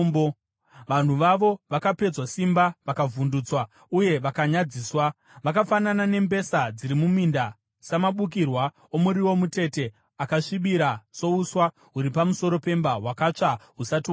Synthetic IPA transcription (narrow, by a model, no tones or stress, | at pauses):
mbo | ʋan̤uʋaʋo̞ʋakape̞d͡zwasimbaʋakavunduːt͡swa | uje̞ʋakaɲad͡ziːswa | ʋakafananane̞mbe̞sad͡ziɾimuminda | samaɓuk̬irwa | o̞muɾiwo̞mute̞te̞ | akaʂiɓiɾaso̞uswa | ɦuɾipamuso̞ɾo̞pe̞mbaɦwakat͡ʂaɦusati